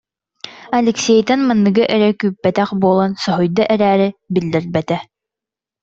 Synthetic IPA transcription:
ɐlʲɛksʲɛjt̪ɛnmanːɯɡɯʔɛɾɛkyːpːɛt̪æχbuɔlˠɔnsɔɦɔjd̪ɔʔɛɾæːɾɘbild̪ɘɾbɛt̪ɛ

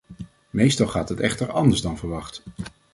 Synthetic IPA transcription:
mejstɑlˠχaːtɦətɛ̰χtəɹɑndəɹzdɑnvəɹʋɑχt

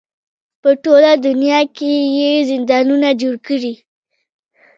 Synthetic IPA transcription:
pəʈolad̪ʊnjɑkejezɪnd̪ɑnunad͡ʒoɽkəɽi

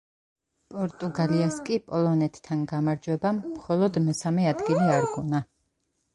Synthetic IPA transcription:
pʼɔɾt̪ʼuɡaliaskʼipʼɔlˠɔnɛt̪ʰːanɡamaɾd͡ʒwɛbamːχɔlˠɔd̪mɛsamɛad̪ɡiliaɾɡuna

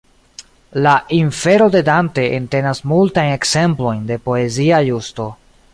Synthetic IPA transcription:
laʔiɱfe̞ɾo̞de̞dante̞ʔente̞nasmultajne̞kse̞mplo̞jnde̞po̞e̞ziajusto̞

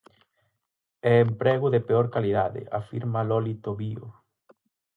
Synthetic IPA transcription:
ɛːmpɾɛɣʊðepeoɾkaliðaðɪ̰ʔa̰fiɾmalɔlit̪oβio̰

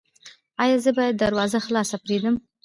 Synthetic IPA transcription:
ɑjɑzəbɑjad̪ːaɾwɑzaxlɑsapɾed̪əm

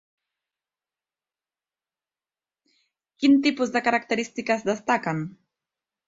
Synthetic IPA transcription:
kint̪ipuzðəkaɾak̚t̪əɾist̪ikəzd̪əst̪akən

